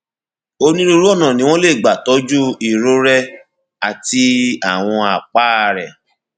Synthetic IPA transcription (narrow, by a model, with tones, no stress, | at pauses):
o˧nĩ˦ɾo˧ɾu˦ɔ˦˨nã˨nĩ˨˦w̃ɔ̃˦le˦˨ɡ͡ba˨tɔ˨˦d͡ʒu˦i˨ɾo˦ɾɛ˦ | a˨ti˧a˦˨w̃ɔ̃˧a˨k͡pa˦˧˨ɾɛ˨